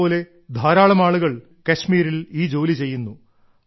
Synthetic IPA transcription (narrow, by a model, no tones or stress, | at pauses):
oːle̞ | d̪ʱaːɾaːɭɐmaːɭuɣɐɭ | kɐɕmiːɾiliːd͡ʑo̞ːlit͡ɕe̞jːunːu